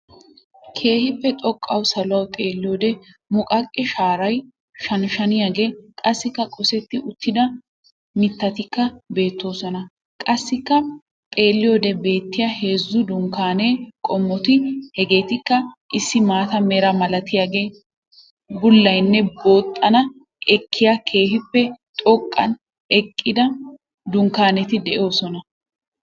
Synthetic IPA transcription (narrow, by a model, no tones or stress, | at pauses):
kʰe̞ːhɪpːɛt̪ʼɔkʼːɐwsɐlʊwɐwt̪ʼe̞ːlːɪjoːd̪ɛ | mʊkʼɐkʼːɪʃaːɾɐj | ʃɐnʃɐnɪjaːɡe̞ːkʼɐsːɪkːɐkʼɔsɛt̪ːɪʔʊt̪ːɪd̪ɐ | mɪt̪ːɐt̪ɪkːɐbe̞ːt̪ːo̞ːsɔnɐ | kʼɐsːɪkːɐ | t̪ʼe̞ːlːɪjoːd̪ɛbe̞ːt̪ːɪjɐhe̞ːzːʊd̪ʊŋkaːne̞ːkʼɔmːɔt̪ɪhɛɡe̞ːt̪ɪkːɐʔɪsːɪmaːt̪ɐmeːɾɐmɐlɐt̪ɪjaːɡe̞ː | bʊlːɐjnːɛbo̞ːt̪ʼːɐnɐ | ʔɛkʰːɪjakʰe̞ːhɪpːɛt̪ʼɔkʼːɐ̰n | ɛkʼːɪd̪ɐ | d̪ʊŋkaːnɛt̪ɪd̪ɛʔjo̞ːsɔnɐ